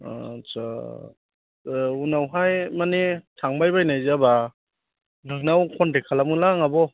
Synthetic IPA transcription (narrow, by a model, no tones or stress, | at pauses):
t͡ʃa | unawɦajmanitʰaŋbajbajnajzaba | nɯŋnawkʰɔndekʰalamɯlaŋabɔ